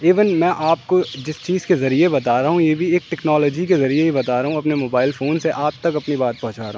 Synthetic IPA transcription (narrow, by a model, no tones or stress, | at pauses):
iːʋɪnmɛ̃ːʔaːp̚kod͡ʒɪst͡ʃiːz̥kezɐɾiebɐt̪aːɾɐɦũjeːbʱieːk̚ʈɛknɔːlɔːd͡ʒik̬ezɐɾieɦibɐt̪aːɾɐɦũɐpnemoːbaːɪlfoːnseʔaːp̚t̪ɐkɐpnibaːt̪̚pɐɦʊ̃t͡ʃaːɾɐɦũ